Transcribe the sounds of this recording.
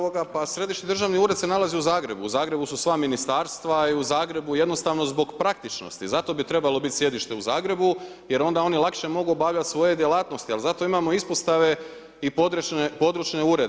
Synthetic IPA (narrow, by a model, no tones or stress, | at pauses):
oɡapasɾe̞d̪iʃnid̪ɾrʒaʋniuːɾed̪se̞nalˠazeuzaːɡɾe̞buːzaːɡɾe̞bususʋaminist̪aːɾst̪ʋaiuzaːɡɾe̞buje̞d̪no̞st̪aːʋno̞zbo̞ɡpɾak̚t̪it͡ʃno̞̰st̪izat̪o̞bit̪ɾe̞balo̞bit̪sje̞d̪iʃt̪e̞uzaːɡɾe̞bu | je̞ɾo̞nd̪ao̞nilˠakʃe̞mo̞ɡuobaʋʎat̪ʲsʋo̞je̞d̪jelˠaːt̪no̞st̪ialzat̪o̞imamo̞ispo̞st̪aʋe̞ | ipod̪ɾunepo̞d̪ɾut͡ʃne̞uɾed̪